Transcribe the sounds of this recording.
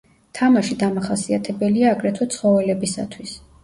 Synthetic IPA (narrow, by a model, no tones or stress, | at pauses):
t̪ʰamaʃid̪amaχasiat̪ʰɛbɛliaːɡɾɛt̪ʰwɔt̪sʰχɔvɛlɛbisa̰t̪ʰwis